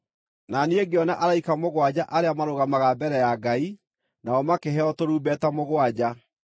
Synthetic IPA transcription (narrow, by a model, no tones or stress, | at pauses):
nanieɡeɔnaʔaɾaikamoɣwad͡ʑaʔaɾeamaɾoɣamaɣabɛɾɛjaɡai | naɔmakeɦɛɔtoɾuːbɛtamoɣwad͡ʑa